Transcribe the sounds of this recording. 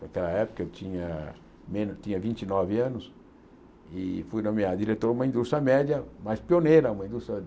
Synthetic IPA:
nakɛlɐɛpʊ̥kɐewt̪ĩɲɐ | mẽnʊt͡ʃ̪ĩɲɐvĩnt͡ʃinɔvɪɐ̃nʊs | ɪfujnõmiad̪iɾet̪oɾumɐĩd̪ust̪ɾʲjɐmɛd͡ʒjɐmajspionejɾɐũmɐĩd̪ust̪ɾʲɐ

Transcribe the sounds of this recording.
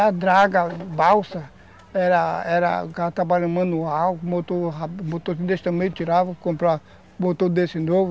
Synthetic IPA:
ɐd̪ɾaɡɐbawsɐ | ɛɾɐɛɾɐ̰ɡat̪ɾabalɐ̃mɐ̃nuawmot̪oɾamot̪oɾkid̪esɪ̥t̪ɐ̃mẽj̃t͡ʃ̪iɾavɐkõmpɾa | mot̪oɾd̪esɪnovʊ

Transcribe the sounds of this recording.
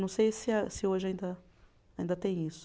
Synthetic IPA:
nɐ̃w̃sejsɪsɪoʒɪaĩnd̪ɐ | aĩnd̪ɐt̪ẽj̃isʊ̥

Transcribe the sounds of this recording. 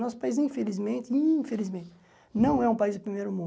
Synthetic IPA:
nɔsʊ̥paizĩfelizmẽnt̪ɪĩfelizmẽt̪ɪ | nɐ̃w̃ɛũpaizd̪ʊpɾimejɾʊmũ

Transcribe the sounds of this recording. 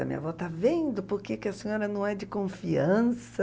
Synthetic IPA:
ɐ̰mḭ̃ɲɐ̰vɔt̪avẽnd̪ʊpoɾkekɪɐsẽɲɔɾɐnɐ̃w̃ɛd͡ʒɪkõfiɐ̃sɐ

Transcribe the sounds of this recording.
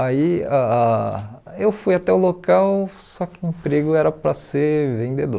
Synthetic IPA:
aia | ewfujat̪ɛʊlokaw | sɔkɪẽpɾeɡʊɛɾɐpɾɐseɾvẽd̪ed̪o̰

